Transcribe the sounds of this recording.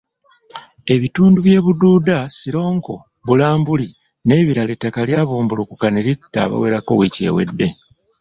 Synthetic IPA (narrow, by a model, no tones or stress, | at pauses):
e̞βituːnduβje̞ːβuduːdasiɾo̞ːŋko̞ | βulaːmbuli | ne̞ːβiɾale̞tːakaljaːβuːmbulukukaneɾitːa̰ːβa̰we̞ːɾako̞̰wice̞̰ːwe̞̰dːe̞